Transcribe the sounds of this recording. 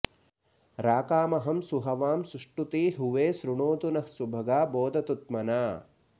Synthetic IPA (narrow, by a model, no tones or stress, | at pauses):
ɾaːkaːmɐɦɐmsuɦɐʋaːmsuʂʈut̪iɦuʋeːsɾuɳoːt̪unɐhsubʱɐɡaːboːd̪ɐt̪ut̪mɐnaː